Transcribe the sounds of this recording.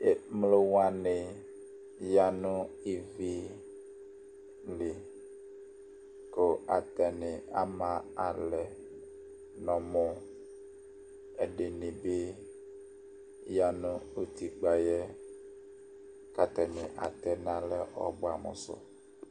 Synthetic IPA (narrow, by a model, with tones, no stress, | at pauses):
e˨mlo˦wa˦nɪ̃˨ | ja˦nũ˦i˨vi˦ | lɪ˨ | ko˨a˨t̪ɛ˨nɪ̃˨a˦mã˨a˨lɛ˨ | nɔ̃˨mɔ̃˦ | ɛ˨ɖe˨nĩ˨be˦ | ja˨nũ˦o˦t̪i˨ɡ͡ba˨jɛ˦ | ka˦t̪ɛ˨nɪ̃˨ʔa̰˨t̪ɛ˦nã˦lɛ˦ʔɔ̰˨bo˦a˨mɔ̰̃˨sɔ̰˦